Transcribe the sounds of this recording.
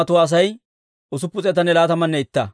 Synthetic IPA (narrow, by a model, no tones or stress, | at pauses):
ɐt̪ʊwaːs̬ɐj | ʊs̬ʊpːʊt͡sʼɛt̪ɐnːɛlaːt̪ɐmɐnːɛɪt̪ːɐ